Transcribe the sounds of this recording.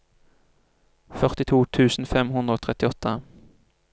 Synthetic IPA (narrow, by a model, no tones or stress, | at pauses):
fœʁt̪ɪt̪ʰuːt̪ʰʉːsn̩fɛmhʉnd̪ʁəoːt̪ʰʁɛt̪ɪɔt̪ːə